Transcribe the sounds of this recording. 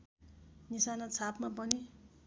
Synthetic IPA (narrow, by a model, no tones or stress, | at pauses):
nisanʌt͡sʰapʰmapʌni